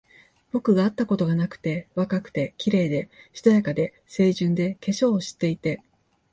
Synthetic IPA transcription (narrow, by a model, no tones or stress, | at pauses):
b̥o̞kɯ̟ɡaːat̪ːako̞t̪o̞ɡanakɯ̟̥t̪e̞βakakɯ̟̥t̪e̞kʲiɾe̞ːd̪e̞ɕi̥t̪ojakad̪e̞ | se̞ːʑɨ̃nd̪e̞ke̞ɕo̞ːɕi̥t̪ːe̞it̪e̞